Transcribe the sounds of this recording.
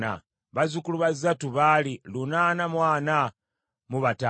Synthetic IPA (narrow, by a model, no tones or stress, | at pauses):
a̰ | βazukuluβazatuβalilunanamwaːna | muβata